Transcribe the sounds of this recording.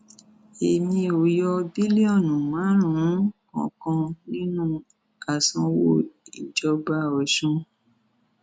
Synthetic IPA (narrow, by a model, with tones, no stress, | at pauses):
e˨nĩ˧o˨jɔ˧bi˦li˦ɔ˦˨nũ˨mã˨˦ɾ̃ũ˨˦kɔ̰̃˨˦kɔ̃˧nĩ˦nũ˦ | a˨sɔ̃˧wo˦i˨d͡ʒɔ˧ba˧ɔ˨ʃũ˧